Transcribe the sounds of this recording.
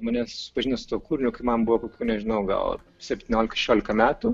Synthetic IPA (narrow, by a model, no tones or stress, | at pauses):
mɐnʲɛssʊ̥pɐʒʲɪnɐsʊt̪uɔkuːɾʲɪnʲʊkɐɪmɐmbuʋokoːkʲuːnʲɛʒʲɪnɐʊɡɐ̰l̰ˠ | sʲɛpʲt̪ʲɪnʲoːlʲɪkɐʃʲɛʃʲoːlʲɪkɐmʲæːt̪ʊ